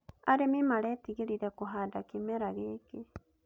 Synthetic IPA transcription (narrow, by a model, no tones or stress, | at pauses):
aɾemimaɾet̪iɣiɾiɾekoɦadakimeɾaɣeke